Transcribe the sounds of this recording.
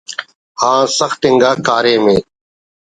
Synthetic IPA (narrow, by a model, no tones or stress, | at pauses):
hãːsəxt̪ɪŋɡaːkaːɾeːmẽː